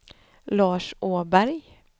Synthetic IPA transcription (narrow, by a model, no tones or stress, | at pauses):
lɑːʂʔoːbæɾj